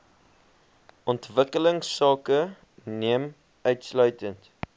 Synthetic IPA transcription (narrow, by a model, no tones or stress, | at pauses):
ʔɔntvəkələŋsːɑːkə | niəm | œɥtslœɥtənt